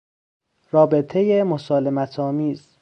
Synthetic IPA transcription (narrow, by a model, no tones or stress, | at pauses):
rɒːbe̞t̪ʰe̞jemosɒːle̞mæt̪ʰɒːmiːz̥